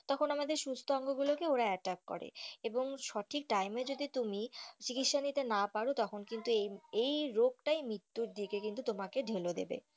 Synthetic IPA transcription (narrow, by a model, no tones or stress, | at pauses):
t̪ɔkʰonamad̪eɾʃust̪ʰoɔŋɡoɡulokeoɾaɛʈakːɔ̰ɾḛeboŋʃɔʈʰik̚ʈajmed͡ʑod̪it̪umit͡ɕikit̪ʃanit̪enapaɾot̪ɔkʰonkint̪uejejɾoɡ̚ʈajmɾit̪ːuɾd̪ikekint̪ut̪omakeɖʱelod̪ḛbḛ